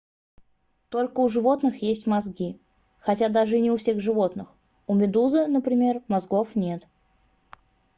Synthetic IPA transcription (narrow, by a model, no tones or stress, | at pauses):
t̪o̞lʲkəʊʐɨvo̞t̪nɨxjesʲtʲmɐzɡʲi | xɐtʲad̪aʐɨnʲɪʊfsʲe̞ɣʐɨvo̞t̪nɨx | ʊmʲɪd̪uzɨnəpɾʲɪmʲe̞rmɐzɡo̞fnʲe̞t̪